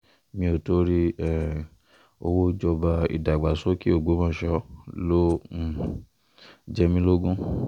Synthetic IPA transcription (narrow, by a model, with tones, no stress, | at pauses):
mĩ˧o˨to˦ɾi˦ɛ˨ | o˧wo˦d͡ʒɔ˧ba˧ḭ˨da˨ɡ͡ba˨so˦ki˦o˦˨ɡ͡bo˨˦mãː˦˨ʃɔ˦lo˦˨ | d͡ʒɛ˧mĩ˦lo˦ɡũ˦